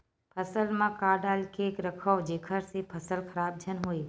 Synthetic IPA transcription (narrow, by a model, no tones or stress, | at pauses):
pʰəsəlmãkaːɾɖaːlkʰeːkɾɐkʰəʋd͡ʒeːkʰəɾsepʰəsəlkʰɐɾaːb̚d͡ʒʱənɦuiː